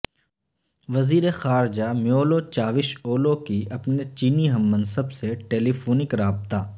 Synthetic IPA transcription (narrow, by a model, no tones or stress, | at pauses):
ʋɐziːɾexaːɾd͡ʒamɪjoːlot͡ʃaːʋɪʃoːlokiɐpnet͡ʃiːniɦɐ̃mːɐ̃nsəbseʈeːlifʰoːnɪkɾaːbt̪aː